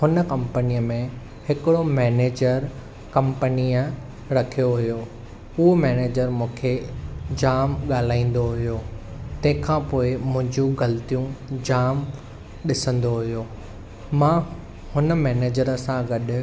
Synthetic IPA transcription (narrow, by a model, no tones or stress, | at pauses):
ɦʊnəkɐ̃mpəniːəmẽ | hɪkɪɽomɛːneːd͡ʑəɾ | kɐ̃mpəniə | ɾɐkʰijoɦʊjo | ʊɦomɛːneːd͡ʑəɾmũːkʰed͡ʑaːmɠaːl̤aːĩːn̆d̪oɦʊjoː | t̪ɐ̃ɦɪ̃kʰãːpoːɪmʊ̃ɦɪ̃ɲd͡ʑũɡɐlt̪ijũd͡ʑaːm | ɗɪsə̃nd̪oɦʊjoː | mãː | hʊnə̆mɛːneːd͡ʑəɾəsãɡɐɗʊ